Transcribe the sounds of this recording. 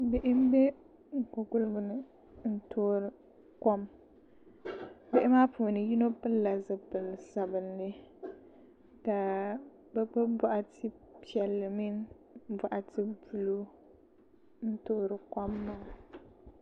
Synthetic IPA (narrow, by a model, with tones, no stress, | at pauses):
be˨ʔɪ˦m̩˦bɛ˦ | ŋ̩˨kʊ˨ɡʊ˦lɨ˦bʊ˨nɨ˨ | n̩˦tʰoː˦ɾɨ˨ | kɔ˦m | be˦ʔɪ˦maː˦puː˨nɨ˨ji˦no˦pɨ˦lːa˨zɨ˨pɨ˨lsa˨bɨ˨n˦lɨ˦ | ta˨ | bɛ˦bɨ˦ba˦ʔa˨tʰɪ˦pi˨ɛ˨lːɨ˨mi˦n | ba˨ʔa˨tʰɪ˦bu˨lu˦ | n̩˦toː˦˨ɾɨ˨kɔ˦mːa˦